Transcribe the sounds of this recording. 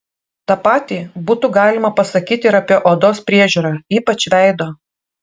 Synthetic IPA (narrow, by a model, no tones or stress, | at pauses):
t̪ɑːpɑːt̪ʲiːbuːt̪ʊɡɑːlʲɪmɐpɐsɐkʲiːt̪ʲɪɪɾɐpʲiɛʔoːd̪oːspʲɾʲiɛʒʲuːɾɑːiːpɐt͡ʃʲʋʲæˑɪd̪oː